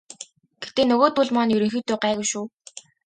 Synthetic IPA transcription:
ɡ̥et̪eːnɵɣoːt̪̚pʊɮmaːnjɵɾɵ̆ŋxiːt̪ʊːɢæːɣʊwʃuː

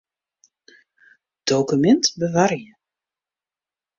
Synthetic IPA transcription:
d̥owkymɛntbəvarjə

